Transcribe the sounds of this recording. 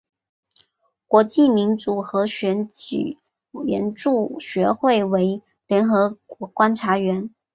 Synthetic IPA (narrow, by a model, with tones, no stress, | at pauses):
kwɔ˧˥t͡ɕi˥˩mi˧˥nt͡su˨˩xɤ˧˥ɕɥɛ˧˥ny̰˨˩ | ɥɛ˧˥nʈ͡ʂu˥˩ɕɥɛ˧˥xwe˥˩ɪwe˧˥ɪ | ljɛ˧˥nxɤ˧˥kwɔ˧˥kwa˥nʈ͡ʂʰa˧˥ɥɛ˧˥n